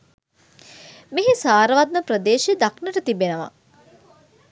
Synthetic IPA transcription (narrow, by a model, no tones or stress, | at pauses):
meɦesaːɾəʋat̪̚məprəd̪eːʃed̪aknəʈət̪ibenəʋa̰